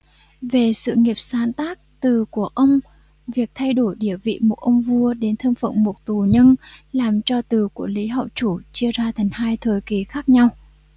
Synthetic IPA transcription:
ve˨˩sɨ̰˧˨ŋi˨˩əp̚saː˨˦nt̪aː˦˥k̚t̪ɨ˨˩ku˧˩əʔə˧wŋ͡m | vi˨˩ək̚t̪ʰa˧jɗo˧˩jɗi˧˩əvḭ˧˨mo˨˩t̚ʔə˧wŋ͡mvu˧əɗe˨˦nt̪ʰə˧mfə̰˧˨ŋ͡mmo˨˩t̚t̪u˨˩ɲə˧nlaː˨˩mt͡ɕɔ˧t̪ɨ˨˩ku˧˩əli˨˦ɦɔ̰˧˨wt͡ɕu˧˩t͡ɕi˧əzaː˧t̪ʰa˨˩jŋ̟haː˧jt̪ʰəː˨˩jki˨˦xaː˦˥k̚ɲa˧w

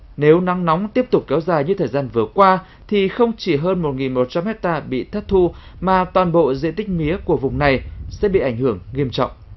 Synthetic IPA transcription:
ne˨˦wna˨˦ŋnɔ˨˦wŋ͡mt̪i˦˥əp̚t̪ʊ˨˩k͡p̚kɛ˨˦wzaː˨˩jɲɨ˧t̪ʰəː˨˩zaː˧nvɨ˨˩əkwaː˧ | t̪ʰi˨˩xə˧wŋ͡mt͡ɕi˧˩ɦəː˧nmo˨˩t̚ŋi˨˩nmo˨˩t̚t͡ɕa˧mhɛ˦˥k̚t̪aː˧ɓḭ˧˨t̪ʰə˦˥t̚t̪ʰu˧maː˨˩t̪waː˨˩nɓo̰˧˨zḛ˧˨t̪ï˦˥k̟̚mi˨˦əku˧˩əvʊ˨˩ŋ͡mna˨˩jsɛ̰˧˥ɓḭ˧˨ʔa˧˩jŋ̟hɨ˧˩əŋːi˧əmt͡ɕɔ̰˧˨wŋ͡mʔ

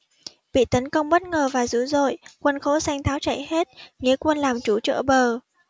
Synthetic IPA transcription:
ɓḭ˧˨t̪ə˨˦nkə˧wŋ͡mɓə˦˥t̚ŋəː˨˩vaː˨˩zṵ˧˥zo̰˧˨jkwə˧nxo˧˦sa˧jŋt̪ʰaː˨˦wt͡ɕə̰˧˨jhe˦˥t̚ŋḭ˧˥əkwə˧nlaː˨˩mt͡ɕu˧˦t͡ɕə̰˧˨ɓəː˨˩

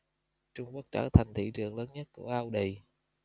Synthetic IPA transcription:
t͡ɕʊ˧ŋ͡mku˦˥ək̚t͡ɕaː˧˩t̪ʰa˨˩jŋ̟t̪ʰḭ˧˩t͡ɕɨ˨˩əŋləː˨˦nɲə˦˥t̚ku˧˩əʔaː˧wɗə˨˩j

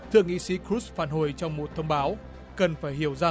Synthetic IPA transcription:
t̪ʰɨ˧˨əŋḭ˧˥si˨˦kɾu˦˥sfaː˧˩nɦo˨˧˩jt͡ɕɔ˧wŋ͡mmo˨˩t̚t̪ʰə˧wŋ͡mɓaː˨˦w | kə˨˩nfaː˧˩jhi˧˩əwzaː˧˩

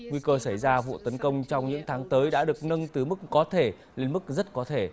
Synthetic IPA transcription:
ŋwi˧kəː˧sa˧˩jzaː˧vṵ˧˨t̪ə˨˦nkə˧wŋ͡mt͡ɕɔ˧wŋ͡mɲɨ̰˧˥ŋt̪ʰaː˨˦ŋt̪əː˨˦jɗa̰ː˧˥ɗɨ˨˩ək̚nə˧ŋt̪ɨ˨˩mɨ˦˥k̚ːɔ˨˦t̪ʰe˧˩ | le˧nm˦˥k̚zə˦˥t̚kɔ˨˦t̪ʰe˧˩

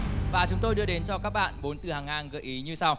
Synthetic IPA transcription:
vaː˨˩t͡ɕʊ˨˦ŋ͡mt̪o˧jɗɨ˧əɗe˨˦nt͡ɕɔ˧kaː˦˥k̚ɓa̰ː˧˨nɓo˨˦nt̪ɨ˨˩haː˨˩ŋhaː˧˩ŋɣə̰ː˧˩ʔi˨˦ɲɨ˧sa˧w

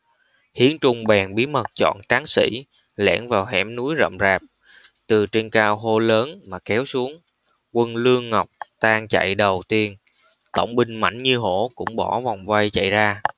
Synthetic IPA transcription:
hi˨˦ənt͡ɕʊ˧ŋ͡mɓɛ˨˩nɓi˨˦mə˨˩t̚t͡ɕɔ̰˧˨nt͡ɕaː˨˦ŋsḭ˧˥ | lɛ̰˧˥nvaː˨˩wɦɛ˧˩mnu˨˦jzə̰˧˨mzaː˨˩p̚ | t̪ɨ˨˩t͡ɕe˧nkaː˧wɦo˧ləː˨˦nmaː˨˩kɛ˨˦wsu˨˦əŋ | kwə˧nlɨ˧əŋːa˨˩wk͡p̚t̪aː˧ŋt͡ɕa̰˧˨jɗə˨˩wt̪i˧ən | t̪ə̰˧˩wŋ͡mɓï˧ŋ̟ma̰˧˩jŋɲɨ˧ɦo˧˩˥kʊ̰˧˥ŋ͡mɓɔ˧˩va˨˩wŋ͡mva˧jt͡ɕa̰˧˨jzaː˧

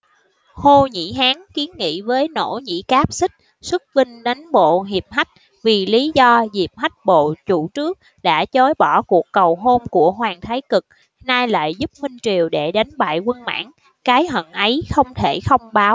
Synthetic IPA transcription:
ho˧ɲḭ˧˥ɦaː˨˦ŋki˨˦nŋḭ˧˥vəː˨˦jno̰˧˥ɲḭ˧˥kaː˦˥p̚sï˦˥k̚ | swɨ˦˥k̚vï˧ŋ̟ɗə˨˦jnɓo̰˧˨ɦi˨˩əp̚ɦa˦˥jk̚ | vi˨˩li˨˦zɔ˧zi˨˩p̚ha˦˥jk̚ɓo̰˧˨t͡ɕu˧˩t͡ɕɨ˦˥ək̚ | ɗa̰ː˧˥t͡ɕo˨˦jɓɔ˧˩ku˨˩əkːə˨˩wɦo˧mku˧˩əɦwaː˨˩ŋt̪ʰa˨˦jkɨ˨˩k̚ | naː˧jla̰ː˧˨jzu˦˥p̚hï˧ŋ̟t͡ɕi˨˩əwɗe˧˩ɗa˨˦nɓa̰ː˧˨jkwə˧nma̰ː˧˥ŋ | kaː˨˦jɦə̰˧˨nʔə˨˦jxə˧wŋ͡mt̪ʰe˧˩xə˧wŋ͡mɓaː˨˦w

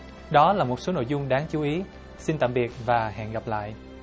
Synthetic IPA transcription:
ɗɔ˨˦laː˨˩mo˨˩t̚so˨˦no̰˧˨jzʊ˧ŋ͡mɗaː˨˦ŋt͡ɕu˨˦ʔi˨˦ | si˧nt̪a̰ː˧˨mɓi˨˩ət̚vaː˨˩ɦɛ̰˧˨nɣa˨˩p̚la̰ː˧˨jʔ

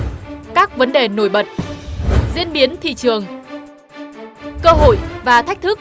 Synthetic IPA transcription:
kaː˦˥k̚və˨˦nɗe˨˩no˧˩jɓə˨˩t̚ | zḭ˧˥ənɓi˨˦ənt̪ʰḭ˧˨t͡ɕɨ˨˩əŋ | kəː˧ɦo̰˧˨jvaː˨˩t̪ʰk̟̚t̪ʰɨ˦˥k̚

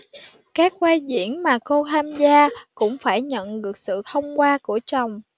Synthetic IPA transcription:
kaː˦˥k̚kwaː˧jzḭ˧˩ənmaː˨˩ko˧t̪ʰaː˧mzaː˧kʊ̰˧˥ŋ͡mfaː˧˩jɲə̰˧˨nɗɨ˨˩ək̚sɨ̰˧˨t̪ʰə˧wŋ͡mkwaː˧ku˧˩ət͡ɕa˨˩wŋ͡m

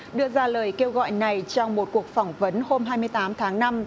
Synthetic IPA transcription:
ɗɨ˧əzaː˧ləː˨˩jke˧wɣɔ̰˧˨jna˨˩jt͡ɕɔ˧wŋ͡mmo˨˩t̚ku˨˩ək̚fɔ˧˩wŋ͡mvə˨˦nho˧mɦaː˧jmɨ˧əjt̪aː˨˦mt̪ʰaː˨˦ŋna˧m

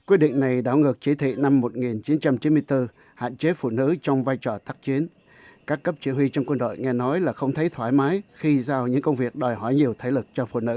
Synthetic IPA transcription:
kwi˦˥əɗḭ˧˨ŋ̟na˨˩jɗa̰ː˧˩wŋɨ˨˩ək̚t͡ɕi˧˩t̪ʰḭ˧˨na˧mːo˨˩t̚ŋi˨˩nt͡ɕi˨˦nt͡ɕa˧mt͡ɕi˨˦nmɨ˧jt̪ɨ˧ | ha̰ː˧˨nt͡ɕe˨˦fṵ˧˨nɨ̰˧˥t͡ɕɔ˧wŋ͡mvaː˧jt͡ɕɔ˨˩t̪aː˦˥k̚t͡ɕi˨˦ən | kaː˦˥kːə˦˥p̚t͡ɕwi˧˩ənwi˧t͡ɕɔ˧wŋ͡mkwə˧nɗo̰˧˨jŋɛ˧nɔ˨˦jlaː˨˩xə˧wŋ͡mt̪ʰə˨˦jt̪ʰwaː˧˩jmaː˨˦jxi˧zaː˧wɲɨ̰˧˥ŋkə˧wŋ͡mvi˨˩ək̚ɗɔ˨˩jɦɔ˧˩jɲi˨˩əwt̪ʰe˨˧˦lɨ˨˩k̚t͡ɕɔ˧fṵ˧˨nɨ̰˧˥

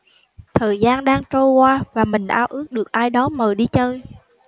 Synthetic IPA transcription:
t̪ʰəː˨˩jzaː˧nɗaː˧ŋt͡ɕo˧jkwaː˧vaː˨˩mï˨˩ŋ̟ʔaː˧wʔɨ˦˥ək̚ɗɨ˨˩ək̚ʔaː˧jɗɔ˨˦məː˨˩jɗi˧t͡ɕəː˧j

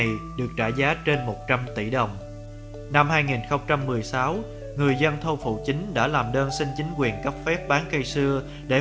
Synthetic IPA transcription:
jɗɨ˨˩ək̚t͡ɕa̰ː˧˩zaː˨˦t͡ɕe˧nmo˨˩t̚t͡ɕa˧mt̪i˧˩ɗə˨˩wŋ͡m | na˧mhaː˧jŋi˨˩nxə˧wŋ͡mt͡ɕa˧mːɨ˨˩əjsaː˨˦w | ŋɨ˨˩əjzə˧nt̪ʰə˧wfṵ˧˨t͡ɕï˨˦ŋ̟ɗa̰ː˧˥laː˨˩mɗəː˧nsï˧ŋ̟t͡ɕi˨˦ŋ̟kwi˨˩ənkə˦˥p̚fɛ˦˥p̚ɓaː˨˦nkə˧jsɨ˧ə | ɗe˧˩

